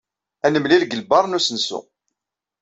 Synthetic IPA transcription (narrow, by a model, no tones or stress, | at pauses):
ænəmlilɡəlbɑɾˤnusənsṵ